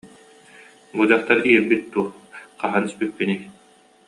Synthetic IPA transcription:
bud̪aχt̪aɾiɛbːit̪̚d̪uːqaɦanispit̪̚pinik

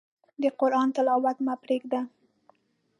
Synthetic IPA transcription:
d̪əqʊɾʔɑnt̪ɪlɑwat̪mapɾeɡd̪a

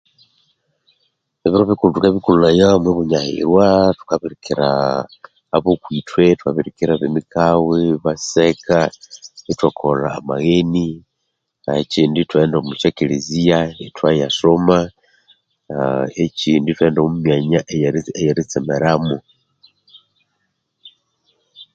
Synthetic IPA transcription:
eβiɾoβikulutukaβikululajamweβuɲahḭɾwatu̥kaβiɾikiɾa̰ː | βokwitwe̞twaβiɾikiɾaβemikaweβasekanitwakʰola̰ːmaɣeni | aet͡ʃiːnditwe̞ːndomuʃekilizijanitwajasoma | et͡ʃiːnditwe̞ːndaomumjaɲaʔejejeɾit͡semeɾamu

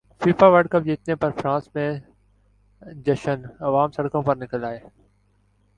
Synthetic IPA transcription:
fiːfaːʋəɖkəp̚d͡ʑiːt̪nepɐɾfɾãːsmẽ | d͡ʑɐʃənɐʋaːmsɐɽkõːpɐɾnɪkəlaːɦeː

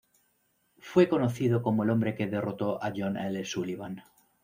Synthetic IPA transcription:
fwe̞ko̞no̞θiðo̞ko̞moelo̞mbɾe̞ke̞ðe̞ro̞t̪o̞ʔaʝonalesuliβan

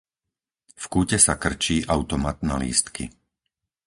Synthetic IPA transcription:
fkuːcɛsakr̩t͡ʃiːʔaʊt̪ɔmat̪na̰lḭːst̪kḭ

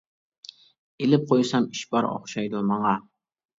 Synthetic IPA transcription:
elɪp̚qʰojsɑmiʃbɑɾo̰χʃɑjd̪ʊmɑŋɑ

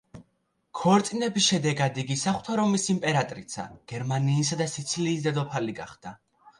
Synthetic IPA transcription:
kʰɔɾt̪sʼinɛbisʃɛd̪ɛɡad̪iɡisaχt̪ʰɔɾɔmisimpʼɛɾat̪ʼɾit̪sʰa̰ɡ̥ɛɾmaniːs̬ad̪asit̪sʰiliːsd̪ad̪ɔpʰaliɡaχd̪̥a

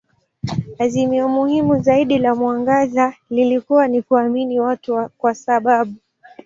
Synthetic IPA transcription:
azimiɔmuhimuzaiɗilamwaŋɡazalilikuwanikuaminiwatukwasaɓaɓu

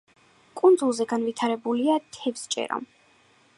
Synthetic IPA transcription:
kʼund̪zulˠzɛɡanvit̪ʰaɾɛbuliat̪ʰɛvst͡ʃʼɛ̰ɾɔ̰m

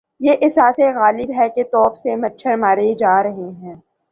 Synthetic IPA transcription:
jeːʔɪsaːseɣaːlɪbɦɛket̪ɔːpsemɐtːʃʰəɾmaːɾed͡ʒaːɾɐɦeɦɛ̃ː

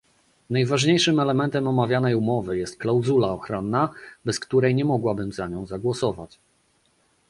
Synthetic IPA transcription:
najvaʐɲejʂɘmɛlɛmɛnt̪ɛmɔmavʲjanɛjumɔvɘjɛst̪̚klawzulaɔxɾɔnːabɛskt̪uɾɛjɲɛmɔɡwabɘmzaɲɔ̃w̃zaɡwɔsɔva̰t͡ɕ

